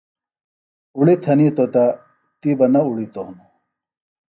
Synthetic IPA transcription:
uɭit̪ʰɐnit̪ot̪a | t̪ibɐnɐuɭit̪ohnu

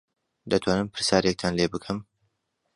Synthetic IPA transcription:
d̪ɐt̪ʰwaːnɨmpʰɨɾsjaːɾjɛk̚t̪ʰaːnlebɨkʰɨm

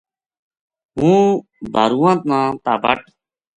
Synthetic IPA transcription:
ɦũː | d̪ʱaɾuːãnt̪̚nãːt̪aːbɐ̰ʈ

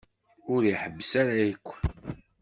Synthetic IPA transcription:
ʊɾiħəbːəsaɾajəkʷː

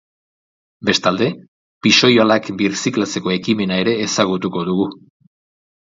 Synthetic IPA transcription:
be̞st̪ald̪e̞ | piʃo̞joalakbiɾsiklat͡se̞ko̞e̞kime̞nae̞ɾe̞ːsaɣ̞ut̪uko̞ð̞uɣu

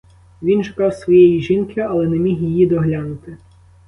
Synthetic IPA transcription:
ʋʲinʃʊkɑwsʋɔjejiʒinkɪɐlˠɛnɛmʲixjɪjid̪ɔɦlʲɑnʊt̪ɪ

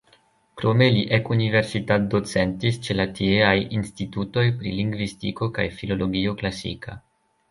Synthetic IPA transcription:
kɾo̞me̞liʔekunive̞ɾsitat̚do̞t͡se̞ntist͡ʃe̞latʰieajinstituto̞jpɾḭliŋɡvistḭko̞ka̰jfilo̞lo̞ɡio̞klasḭka̰

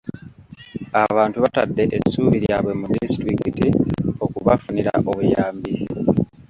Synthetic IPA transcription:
aβaːntuβatadːe̞ʔesuːβiɾjaːβwe̞mudistɾikitio̞kuβafuniɾa̰ʔo̞βujaːmbi

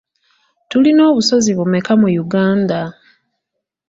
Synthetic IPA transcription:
tulino̞ːβuso̞ziβumekamujuɡaːnda

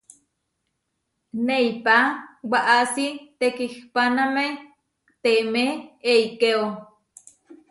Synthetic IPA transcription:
neipawaʔasit̪ekihpaname | t̪emeeikeo

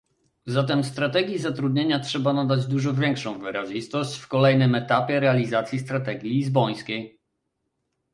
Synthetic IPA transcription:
zat̪ɛmst̪ɾat̪ɛɡʲjizat̪ɾud̪ɲeɲatʂɛbanad̪ad͡ʑd̪uʐɔvʲjɛŋkʂɔ̃w̃vɘɾaʑist̪ɔɕt͡ɕfkɔlɛjnɘmɛt̪apʲjɛɾɛalʲizat̪sʲjist̪ɾat̪ɛɡʲjilʲizbɔj̃skʲej

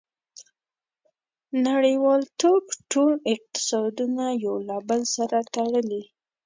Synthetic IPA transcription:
naɽəwɑlt̪okʈolɪq̚t̪ɪ̥sɑd̪unajawlɑbəlsaɾat̪aɽəli

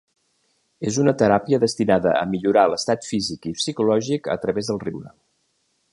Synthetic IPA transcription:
ezunət̪əɾapiəðəst̪inaðəə̰miʎuɾaləst̪at̪fizikipsikulɔʒikə̰t̪ɾəβezðəlˠriwɾə̰

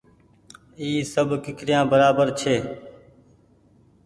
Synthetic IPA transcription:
iːsəbkɪkɾɪjãːbəɾaːbəɾt͡ʃʰeː

